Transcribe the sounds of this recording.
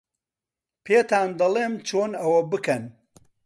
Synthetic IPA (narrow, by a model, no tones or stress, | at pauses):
pʰeːt̪aːnd̪ɐlˠeːmt͡ʃʰoːnɐwɐbɨkɐn